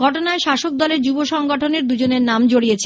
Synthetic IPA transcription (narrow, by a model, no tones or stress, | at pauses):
ɡʱɔʈonaeʃaʃok̚d̪ɔleɾd͡ʑuboʃɔŋɡoʈʰoneɾd̪ud͡ʑoneɾnamd͡ʑoɽiet͡ɕʰ